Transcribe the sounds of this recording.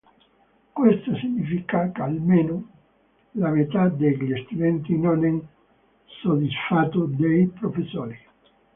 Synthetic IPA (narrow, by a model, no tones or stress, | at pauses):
kwest̪asiɲifikakalmeno | lamet̪ad̪elest̪uðent̪inoneŋ | soðisfat̪od̪ejpɾofesoɾi